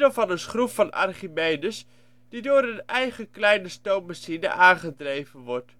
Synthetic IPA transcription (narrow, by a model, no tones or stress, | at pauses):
dəvɑnəsχrupfɑnɑ̰rχimejnəs | d̥idʊːɾənɛjχəklɛjnəstowmasinə̰ʔaːnχədrejvənʋɔɹt